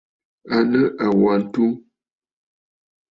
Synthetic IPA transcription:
a˨nə˦ʔa˨wa˨n̩˦tu˦

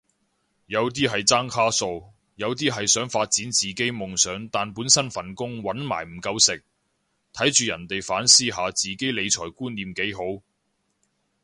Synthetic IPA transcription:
jɐ˨˧wt̪̬iː˥ɦɐ˨jt͡saː˥ŋkʰaː˥so˧w | jɐ˨˧wt̪iː˥ɦɐ˨jsœː˨˥ŋfaː˧t̚t͡siː˨˥nt͡siː˨ke˥jmʊ˨ŋsœː˨˥ŋt̪aː˨npuː˨˥nsɐ˥nfɐ˨˩nkʊ˥ŋwɐ˨˥nma̰ː˨˩jm̩˨˩kɐ˧wsɪ˨k̚ | t̪ʰɐ˨˥jt͡ʃyː˨jɐ˨˩nt̪e˨jfaː˨˥nsiː˥ɦaː˨˧t͡siː˨ke˥jle˨˧jt͡ʃʰɔ̰ː˨˩jkuː˥nliː˨mke˨˥jɦo˨˥w

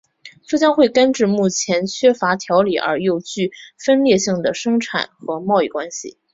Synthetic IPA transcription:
t͡su˥˩t͡ɕjɑ˥ŋxwe˥˩ɪkə˥nʈ͡ʂɻ̩˥˧mu˥˩t͡ɕʰjɛ˧˥nt͡ɕʰɥɛ˥fa˧˥t̪ʰjɑ˧˥ʊlḭ˨˩ʔə̰˞˧˥jo˥˧ʊt͡ɕy˥˩fə˥nljɛ˥˧ɕi˥˩ŋd̪ə˩ʂɤ˥ŋʈ͡ʂʰa̰˨˩˦nxɤ˧˥mɑ˥˧ʊi˥˩kwa˥nɕḭ˨˩

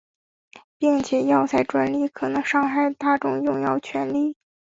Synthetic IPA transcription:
pi˥˩ŋt͡ɕʰjɛ˨˩jɑ˥˧ʊt͡sʰa˥˩ɪʈ͡ʂwa˧˥nli˥˩kʰɤ˨˩nɤ˧˥ŋʂɑ˥˧ŋxa˥˩ɪt̪a˥˧ʈ͡ʂʊ˥˧ŋjʊ˥˧ŋjɑ˥˧ʊt͡ɕʰɥɛ˧˥nli˥˩

